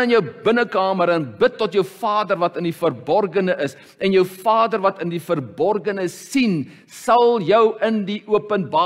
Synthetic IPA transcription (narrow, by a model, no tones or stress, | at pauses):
ənjəwbənəkɑːməɾənbətːɔtjəwfɑːdərvɐtəndifərbɔrɡənəʔəs | ɛnjəwfɑːdərvɐtəndifərbɔrɡənəsin | sɐlˠjəwəndiʔuəpənbɑː